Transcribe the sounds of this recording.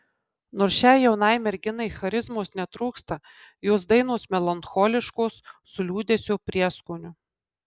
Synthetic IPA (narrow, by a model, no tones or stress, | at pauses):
noːɾsʃʲɛˑɪjɛʊnɐɪmʲɛɾʲɡʲɪnɐɪxɐɾʲɪzmoːsnʲɛt̪ɾuːkst̪ɐ | joːs̬d̪ɐɪnoːsmʲɛlˠɐnxɔːlʲɪʃkoːsː | ʊlʲuːd̪ʲesʲoːpʲɾʲiɛskoːnʲʊ